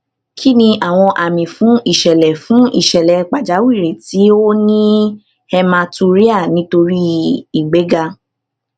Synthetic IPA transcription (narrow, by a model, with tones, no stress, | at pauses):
kʰi˦nĩ˧ʔa˨w̃ɔ̃˧ʔa˨mĩ˨fũ˨˦ʔi˦˨ʃɛ˨lɛ˨fũ˨˦ʔḭ˦˨ʃɛ˨lɛ˨˦k͡pa˨d͡ʒa˨˦wi˦˨ɾe˨ti˨˦o˦nĩ˦ | hɛ˧mã˧tu˧ɾi˦a˦˨nĩ˨˦to˧ɾi˦i˨ɡ͡be˨˦ɡa˧